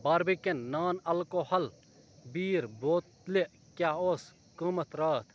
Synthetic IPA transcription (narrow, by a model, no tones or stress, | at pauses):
baːɾbikenːaːnɐlkoːhɐl | biːɾboːt̪leʔ | kʲjaːoːs | kəmɐt̪ɾaːt̪ʰ